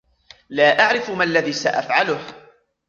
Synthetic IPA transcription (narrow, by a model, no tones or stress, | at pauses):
laːʔaʕɾɪfʊmalːaðiːsaʔa̰fʕalʊh